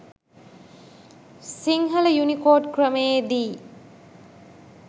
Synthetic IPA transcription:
siŋɦɐləjunikoːɖkrəməjed̪iː

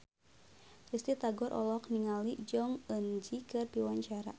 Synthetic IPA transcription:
rist̪it̪aɡɔɾʔɔ̰lɔkniŋalid͡ʒɔŋənd͡ʒikɨrdiwaɲt͡ʃaɾa̰

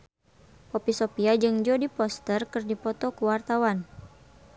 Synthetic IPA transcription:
pɔpisɔpiad͡ʒɨŋd͡ʒɔdipɔst̪ərkɨrdipɔt̪ɔkuwart̪awan

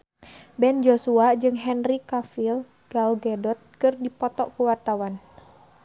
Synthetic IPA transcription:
bɛnd͡ʒosuad͡ʒɨŋɦɛnrikafil | ɡ̥alɡɛdɔt̪̚kɨrdipɔt̪ɔʔkuwart̪awan

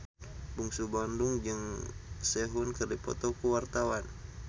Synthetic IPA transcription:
buŋsubanduŋd͡ʒɨŋsɛɦunkɨrdipɔ̰t̪ɔkuwart̪awan

